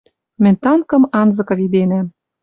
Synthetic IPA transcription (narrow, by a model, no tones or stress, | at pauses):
mɘ̆nʲt̪ɑŋkɤ̆mɑnzɤ̆kɤ̆βid̪enæm